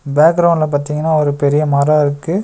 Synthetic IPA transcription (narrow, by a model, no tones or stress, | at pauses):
baːk̚ɡɾɐʊ̃ɳɖɪlɐp̬aːɾt̪iːŋɡɐnːaːɔɾɯpɛɾɪjɐmaːɾaɪɾɯkːɯ